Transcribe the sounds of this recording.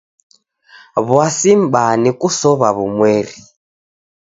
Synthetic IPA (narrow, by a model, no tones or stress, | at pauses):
βwasim̩banikusɔβaβumwɛːɾi